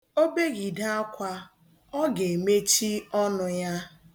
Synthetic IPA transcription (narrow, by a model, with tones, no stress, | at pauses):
o˦be˦ɡi˨da˦a˦kʷa˦ | ɔ˦ɡe˨me˦t͡ʃi˦ɔ˦nʊ˨ja˦